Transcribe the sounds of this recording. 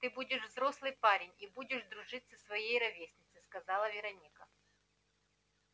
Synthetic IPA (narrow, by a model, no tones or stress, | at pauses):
t̪ɨbudʲɪʂvzɾoslˠɨjpaɾʲɪnʲibudʲɪʂd̪ɾʊʐɨt̪sːəsvɐjejɾɐvʲesʲnʲɪt̪sɨskɐzɑlˠɐvʲɪɾɐnʲikɐ